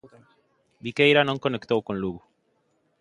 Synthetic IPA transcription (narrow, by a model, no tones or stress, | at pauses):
bikejɾanoŋkonekt̪owkõnluɣu